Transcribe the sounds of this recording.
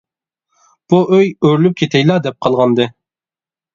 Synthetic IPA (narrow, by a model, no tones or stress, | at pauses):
b̥uʔøjøɾlyp̚kʲʰet̪ʰɛjlˠɑd̪ɛp̚qʰɑlˠʁɑnd̪ɨ